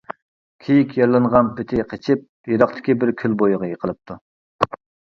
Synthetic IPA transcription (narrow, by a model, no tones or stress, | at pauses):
kʲʰejikʲjɑɾlˠɨɴʁɑnpʰɪt̪ʰɪqʰət͡ʃʰɪp̚jeɾɑqt̪ʰɪ̥kʲibɪɾkʲʰølbojʊʁəjeqʰəlˠɨp̚t̪ʰu